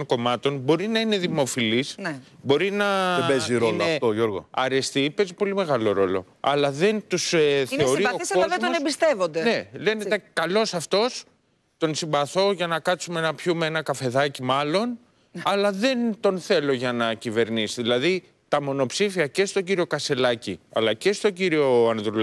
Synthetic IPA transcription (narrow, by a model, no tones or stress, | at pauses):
ŋko̞mɐt̪o̞nbo̞ɾinɐine̞ðimo̞filisnbo̞ɾinɐeeziɾolɐft̪oʝoɾɣo̰ɐɾe̞st̪ipezipo̞lime̞ɣɐlo̞ɾo̞̰lo̞̰ | ɐ̰lɐðe̞nt̪usθeoɾiosɐoɐzemd̪oonebist̪evo̞nd̪ene̞le̞net̪ɐkɐlo̞sɐft̪o̞s | t̪o̞nsimbɐθo̞ʝɐnɐkɐt̪sumeenɐpçumeenɐkɐfe̞ðɐcimɐlo̞n | ɐlɐðe̞nt̪o̞nθe̞lo̞ʝɐnɐcive̞ɾnisiðilɐði | t̪ɐmo̞no̞psifiɐce̞st̪o̞ɲɟiɾio̞kɐse̞lɐciɐ̰lɐce̞st̪oɲɟiɾio̞ɐnðɾul